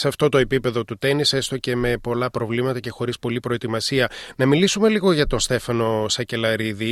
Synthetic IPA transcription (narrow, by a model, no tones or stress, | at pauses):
seɐft̪o̞t̪o̞e̞pipe̞ðo̞t̪ut̪e̞nise̞st̪o̞ce̞me̞po̞lɐpɾo̞vlimɐt̪ɐce̞xo̞ɾispo̞lipɾo̞e̞t̪imɐsiɐnɐmilisume̞liɣo̞ʝɐt̪o̞nst̪e̞fɐno̞sɐce̞lɐɾiði